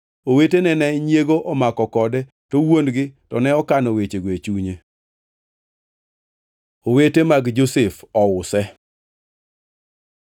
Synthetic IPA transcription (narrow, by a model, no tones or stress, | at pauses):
owetenɛnɛɲjeɡoʔɔmakɔkɔdɛ | towondɡɪtɔnɛɔkanowet͡ʃeɡwet͡ʃuɲe | owetemaɡd͡ʒosefɔwʊsɛ